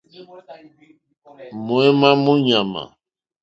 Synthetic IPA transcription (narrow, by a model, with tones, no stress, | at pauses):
mo˨ɛ˦ma˦mũ˦ɲa˨mã̰˨